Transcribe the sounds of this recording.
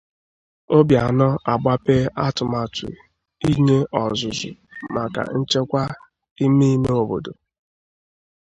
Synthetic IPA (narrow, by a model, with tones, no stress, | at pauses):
o˦bja˨nɔ˦a˨ɡ͡ba˦pe˦ʔa˦tʊ˨ma˨tʊ̰˨ | i˦ɲe˦ʔɔ˨zʊ˨zʊ̰˨ma˨ka̰˨n̩˦t͡ʃe˦kʷa˦ | i˦mi˦i˦me˦o˨bo̰˨do˨